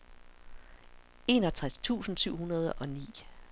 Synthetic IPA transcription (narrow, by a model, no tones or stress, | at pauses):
e̝nɒ̽t͡sʰʁast͡sʰṵːsn̩syʊ̰hunɐð̞ˠəʔɒ̽nḭː